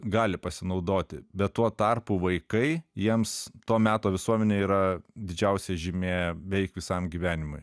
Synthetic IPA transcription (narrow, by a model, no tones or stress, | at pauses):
ɡɑːlʲɪpɐsʲɪnɐʊd̪oːt̪ʲɪbʲɛt̪tuɔt̪ɑrpuːʋɐɪkɐɪjiɛmst̪oːmʲæːt̪oːʋʲɪsuɔmʲɛnʲeːiːɾɐd̪ʲɪd͡ʒʲɛʊsʲɛʒʲɪmʲeːʋʲɛɪkʋʲɪsɐmɡʲiːʋʲæːnʲɪmʊɪ